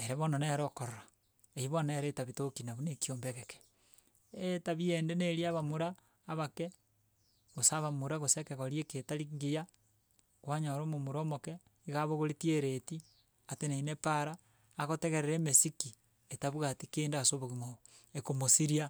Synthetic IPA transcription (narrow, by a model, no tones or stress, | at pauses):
eɾeβonaneɾokoɾoɾa | eiβoneɾetaβitokinaβunekioːmbeɣeke̥ | etaβiendeneɾiaβamuɾaː | βake | ɣosaβamuɾaɣosekeɣoɾjeketaliŋɡija | kwaɲaɾomomuɾoːmoke | iɣaβoɣoɾitieɾeti | ateneinepaɾaː | ɣoteɣeɾeɾeːmesiki | etaβuɣatikeːndasoβoɣimoβo | ekomosiɾia